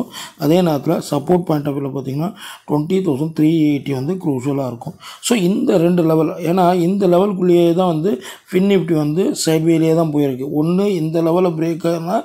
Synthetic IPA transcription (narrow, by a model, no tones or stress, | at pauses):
ɐðeːneːlɐt̪ːɪlɐsɐpːoːʈ̚paːɪɳʈɐːpːɪlːɐpaːɾt̪iːŋɡɐnːaːʈʋɐɳʈit̪oːsɐnt̪ɾiːeɪʈːiʋɐnd̪ɯkɾuːʂɐlaːɪɾɯkːʊ̃msoːɪnd̪ɐɾɛɳɖɯlɛʋɐleːnːaːɪnd̪ɐlɛʋɐlkʊɭːɪjet̪̬ãːʋɐnd̪ɯfɪnːɪpʈːiʋɐnd̪ɯsɐɪbiɐlɪjeːt̪ãːpoːjɪɾɯkːɯɔnːɯɪnd̪ɐlɛʋɐlbɪɾeːkːaɾɯnːaː